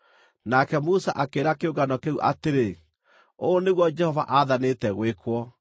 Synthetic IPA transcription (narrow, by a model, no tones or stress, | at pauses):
nakɛmusaʔakeɾakeoɡanɔkeuʔa̰teɾe | oːneɣwɔd͡ʒɛhɔvaʔaðanetɛɣwekwɔ